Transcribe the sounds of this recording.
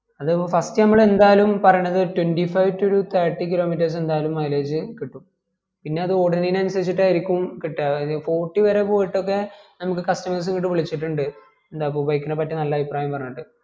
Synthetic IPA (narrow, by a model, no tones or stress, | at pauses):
ɐðɨfɐstɨnɐmːɐɭe̞nd̪aːjlumpɐrɐjunːɐðɨtwenɖifɐjʋtoɾut̪ʰɐːʈːikilo̞ːmit̬ːɐrs̬e̞nd̪aːlumːɐjleːd͡ʑɨkiʈːum | pinːe̞ɐðɨo̞ːɽɐnnijnɐnmsɐɾit͡ɕːiʈːaːjiɾikʲːumkiʈːaːfoːʈːiʋɐɾe̞po̞ːjiʈːo̞kːe̞nɐmukːɨkɐstɐmɐrs̬ɨŋkiʈ̬ːɨʋiɭit͡ɕːiʈːuɳɖɨ | end̪aːp̬ːobɐjkːinɐpɐtːɨnɐlːɐːʋipraːjɐmpɐrɐɲːiʈːɨ